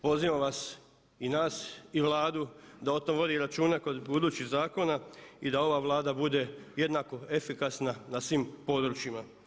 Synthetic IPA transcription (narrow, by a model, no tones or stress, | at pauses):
po̞ziʋamʋas | inaːsiʋlˠaːd̪ud̪ao̞t̪omʋo̞d̪iɾat͡ʃuːnako̞d̪bud̪uːt͡ɕiɣzaːko̞naid̪ao̞ʋaʋlˠaːd̪abud̪e̞je̞d̪nako̞e̞fikasnanasʋimpo̞d̪ɾut͡ʃima